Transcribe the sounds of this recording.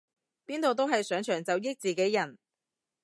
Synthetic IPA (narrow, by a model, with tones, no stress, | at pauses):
piː˥nt̪o˨wt̪o˥wɦɐ˨jsœː˨˥ŋt͡ʃʰœː˨˩ŋt͡sɐ˨wjɪ˥k̚t͡siː˨ke˨˥jːɐ˨˩n